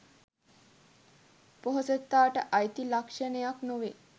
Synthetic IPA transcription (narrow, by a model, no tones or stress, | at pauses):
poɦosət̪ːaːʈəʔajt̪ilakʂənejaknoʋe